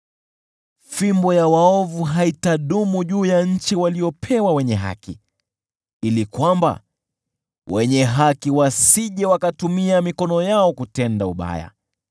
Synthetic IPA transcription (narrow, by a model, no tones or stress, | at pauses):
fimbɔjawaɔvuɦaitaɗumuʄuːjaɲ̩t͡ʃiwaliɔpʰɛwawɛɲɛɦa̰ki | ilikwamba̰ | wɛɲɛɦakiwasiʄɛwakatumiamikɔnɔjaɔkutɛndauɓa̰ja̰